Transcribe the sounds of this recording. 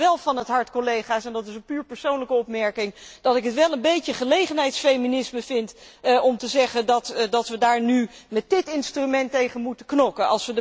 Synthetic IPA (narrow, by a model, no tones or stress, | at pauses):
ʋɛlˠvɑnɦətɦɑɹtkolejχaːsɛndɑtɪsənpyːɹpəɹsownləkəɔpmɛɹkɪŋd̥ɑtɪkɦətʋɛlˠənbejcəχəlejχənɦɛjtsfejminɪsməv̥ɪntɔmtəzɛχəndɑtdɑtʋədaːɹnymɛt̚dɪtɪnstrymɛntejχənmutəknɔkəɑ̰lˠsʋədə